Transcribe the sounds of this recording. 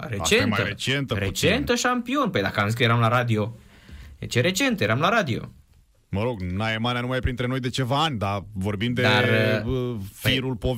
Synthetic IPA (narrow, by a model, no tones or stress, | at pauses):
rea̰t͡ʃeemaəɾet͡ʃent̪əɾet͡ʃent̪əʃampio̞npəjd̪akəanzis̬kjeɾamlaɾad̪io̞ | et͡ʃeɾe̞t͡ʃe̞nt̪je̞ɾamlaɾad̪io̞̰ | məɾo̞ɡnaemanijanumajpɾint̪ɾe̞no̞jd̪e̞t͡ʃe̞vaanʲd̪avo̞rbimd̪ed̪ar | fiɾulpov